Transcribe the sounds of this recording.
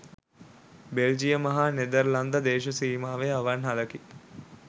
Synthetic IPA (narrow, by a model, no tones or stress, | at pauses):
beld͡ʒijəmɐɦaned̪əɾland̪əd̪eːʃɐsiːmaːʋeaʋanɦaləki